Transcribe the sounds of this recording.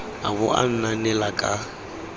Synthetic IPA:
a̰bʊ̰ʔa̰n̩nanɛlakʼa

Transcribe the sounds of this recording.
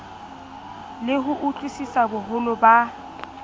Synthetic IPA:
lɪɦʊʔut͡ɬʼisisabʊɦʊlʊba

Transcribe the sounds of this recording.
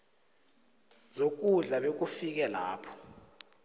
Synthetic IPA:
zok̬uɮaɓek̬ufik̬ɛla̰ːpʰɔ̥

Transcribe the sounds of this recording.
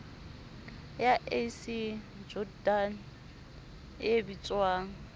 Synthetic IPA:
jaʔesi | d͡ʒɔdan | ebit͡sʼwaːŋ̩

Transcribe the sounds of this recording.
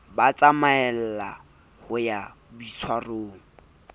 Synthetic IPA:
bat͡sʼamaɛl̩la | hʊja | bit͡sʰwaroːŋ̩

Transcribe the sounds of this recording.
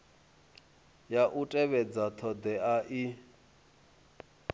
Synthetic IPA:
jaʔutʼɛβɛd͡zat̪ʰɔd̪ɛaʔi

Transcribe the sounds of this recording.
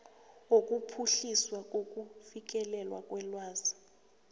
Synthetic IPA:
ok̬ʼupʰuɬiswak̬ʼok̬ʼufik̬ɛlɛlwakʼwɛlwaːzḁ

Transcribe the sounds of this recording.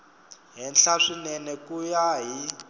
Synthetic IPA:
ɦɛnɬaʂinɛnɛkujaɦi

